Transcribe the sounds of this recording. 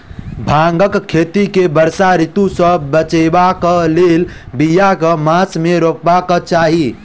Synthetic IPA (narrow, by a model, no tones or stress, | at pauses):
bʱaŋɡəkʰːet̪ikebəɾsaɾit̪usə̃bət͡ʃebakəlelbijakəmasmeɾokbakət͡ʃaɦi